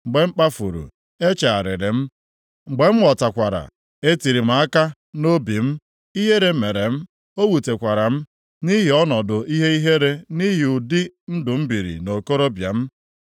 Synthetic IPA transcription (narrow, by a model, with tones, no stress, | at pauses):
ŋ͡m̩˨ɡ͡be˨ŋ͡m̩˦k͡pa˦fu˨ɾṵ˨ | e˦t͡ʃa˨a˨ɾɪ̰˨ɾɪ˨m̩˦ | ŋ͡m̩˨ɡ͡be˨m̩˦wɔ˨ta˨kʷa˨ɾa̰˨ | e˦ti˨ɾi˨m̩˨˦a˦ka˦ | no˦bi˨m̩˦ | i˦ɦe˦ɾe˨˦me˨ɾe˨m̩˦ | o˦wu˨te˨kʷa˨ɾa˨m̩˦ | ni˦ɦi˨ɔ˦nɔ˨dʊ˨i˦ɦe˦i˦ɦe˦ɾe˦ni˦ɦi˨ʊ˨dɪ˦n̩˦dʊ˨m̩˦bi˨ɾḭ˨no˨ko˦ɾo˦bja̰˨m̩˦